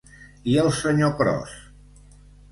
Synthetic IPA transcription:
iəlˠsəɲokɾɔ̰s

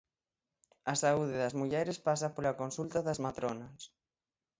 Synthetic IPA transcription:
asauðeðazmuʎɛɾespas̬apolakonsult̪aðazmat̪ɾonas

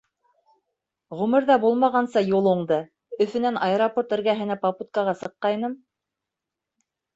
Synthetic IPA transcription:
ʁʉmɘ̆ɾðɑbulˠmɑʁɑnsɤjulˠuɴd̪ɤ | ɵ̆fɵ̆nænʔɑeɾoport̪ɘ̆ɾɡæɦɘ̆næpɑput̪̚kɑʁɑsɤ̆qːɑjnɤm

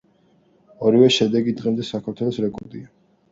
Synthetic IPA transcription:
ɔɾivɛʃɛd̪ɛɡid̪ʁɛmd̪ɛsakʰaɾt̪ʰwɛlˠɔsɾɛkʼɔ̰ɾd̪ia

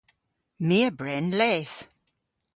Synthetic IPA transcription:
miəbɹɛnlɛːθ

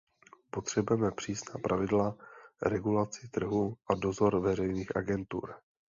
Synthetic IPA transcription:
po̞t̪r̝̥ɛbujɛmɛpr̝̥iːsnaːpɾʔavɪdlaɾɛɡulat͡sɪt̪r̩ɦuʔado̞zo̞ɾvɛrɛjniːxʔaɡɛnt̪ṵɾ

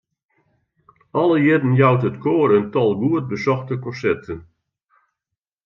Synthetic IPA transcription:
ɔləjɪdən̩jawtətkʰoːərəntɔlˠɡuət̚bəsɔxtəkɔ̃nsɛrtʰən

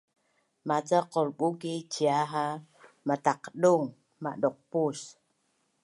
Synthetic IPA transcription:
mat͡saqolɓukit͡ʃiaɦa | mat̪aqɗuŋ | ma̰ɗoq̚pus

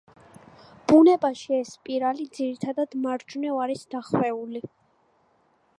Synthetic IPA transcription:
b̥unɛbaʃiɛspʼiɾalid̪ziɾit̪ʰad̪ad̪maɾd͡ʒunɛaɾisd̪aχwɛuli

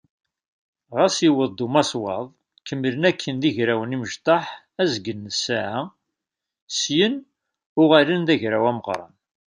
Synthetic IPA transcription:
ʁæsiwəðˤd̪umɑswɑðˤ | kəmːələnækʰːənd̪iʝɾæwəniməʒt̪ˤɑħ | æzɡənːəsaʕa | sjən | ʊʁælənd̪æʝɾæwæməʁɾˤɑ̰n

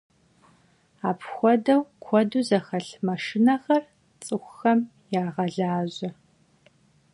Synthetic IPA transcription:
aːpʰxʷɔdɐwkʷʰɔduzɐxɐɬmɐʂɪnɐxɐr | t͡sʼɨxʷxɐm | jaːʁɐɮaːʑɐ

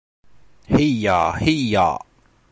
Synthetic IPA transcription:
hija̰hija̰

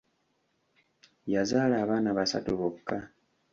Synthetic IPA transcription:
jazaːlaːβaːnaβasa̰tuβokːa

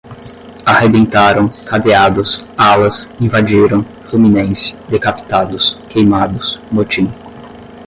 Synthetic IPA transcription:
ahebẽnt̪aɾɐ̃w̃kad̪ead̪ʊsalɐsĩvad͡ʒiɾɐ̃w̃ | fluminẽsɪ̥d̪ekapi̥t̪ad̪ʊskejmad̪ʊsnot͡ʃĩn

